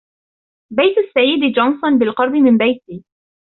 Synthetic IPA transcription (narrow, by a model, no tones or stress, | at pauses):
bajt̪asːajːɪd̪d͡ʒɑnsˤʊnbɪlqɑɾˤbɪmɪnbajt̪iː